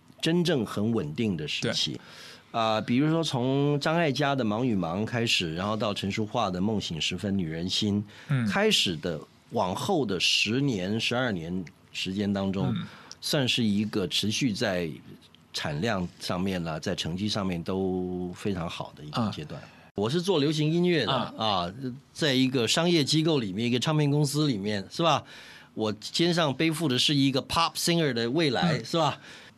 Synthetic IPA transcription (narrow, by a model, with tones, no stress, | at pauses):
ʈ͡ʂə˥nʈ͡ʂɤ˥˩ŋxə˧˥nwə˨˩nt̪i˥˩ŋd̪ə˩ʂɻ̩˥˧˩t͡ɕʰḭ˨˩ | ə˧pi˨˩ɻu˧˥ʂwɔ˥t͡sʰʊ˧˥ŋʈ͡ʂɑ˥ŋa˥˩ɪt͡ɕja˥d̪ə˨mɑ˧˥ŋny˨˩mɑ˧˥ŋkʰa˥ɪʂɻ̩˨˩ɻa˧˥nxo˥˧t̪ɑ˥˩ʊʈ͡ʂʰɤ˧˥ŋʂu˥xwa˥˩d̪ə˩mɤ˥˩ŋɕi˨˩ŋʂɻ̩˧˥fə˥nny˨˩ɻə˧˥nɕi˥n | kʰa˥ɪʂɻ̩˨˩d̪ə˦ | wɑ˨˩ŋxo˥˩ʊd̪ə˩ʂɻ̩˧˥njɛ˧˥nʂɻ̩˧˥ɐ˞˥˩njɛ˧˥n | ʂɻ̩˧˥t͡ɕjɛ˥nt̪ɑ˥ŋʈ͡ʂʊ˥ŋswa˥˧nʂɻ̩˥˩i˧˥ɡə˧ʈ͡ʂʰɻ̩˧˥ɕy˥˧t͡sa˥˩ɪ | ʈ͡ʂʰa̰˨˩nljɑ˥˧ŋʂɑ˥˧ŋmjɛ˥˩nə˩t͡sa˥˩ɪʈ͡ʂʰɤ˧˥ŋt͡ɕi˥ʂɑ˥˧ŋmjɛ˥˩nt̪o˥ʊfe˥ɪʈ͡ʂʰɑ˧˥ŋxɑ̰˨˩ʊd̪ə˦i˧˥ɡə˧t͡ɕjɛ˥t̪wa̰˥˩n | wɔ˨˩ʂ̬ɻ̩˥˧t͡swɔ˥˩ljo˧˥ʊɕ̬i˧˥ŋi˥nɥɛ˥˩d̪ə̰˧˨˩ɐ˧t͡sa˥˩ɪi˧˥ɡə˧ʂɑ˥ŋjɛ˥˩t͡ɕi˥ko˥˩ʊli˨˩mjɛ˥˩ni˧˥ɡə˧ʈ͡ʂʰɑ˥˧ŋpʰjɛ˥nŋkʊ˥ŋsɹ̩˥li˨˩mjɛ˥˩nʂɻ̩˥˩bɐ˩ | wɔ˨˩t͡ɕʰjɛ˥nʂ̬ɑ˥˧ŋpe˥ɪfu˥˩d̪ə˩ʂɻ̩˥˩i˧˥ɡə˧pʰɑ˥psi˥ŋə˞˨˩d̪ə˨we˥˩ɪla̰˧˥ɪʂɻ̩˥˩bɐ˩